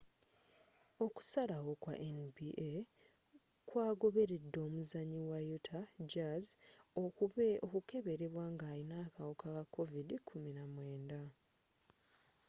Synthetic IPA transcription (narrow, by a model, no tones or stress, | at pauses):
o̞ku̥salawo̞kwa̰ʔenbiʔe | kwaːɡo̞βe̞ɾe̞dːo̞ːmuzaɲiwajutʰad͡ʒazokuβeokuke̞βe̞ɾe̞βwaːŋɡaːɾinaːkawokakakːo̞vidikʰuminamwe̞ːnda